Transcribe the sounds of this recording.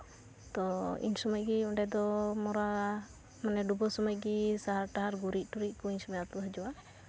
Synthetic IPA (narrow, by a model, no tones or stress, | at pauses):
t̪ɔḭɲsumajɡiuɳɖɛd̪ɔmɔɾa | manɛɖubɔsɔmaj̚ɡisaɦaɾʈaɦaɾɡuɾiˀʈuɾic̚ˀkɔiɲsumɛjaɾt̪uɦad͡ʒɔwa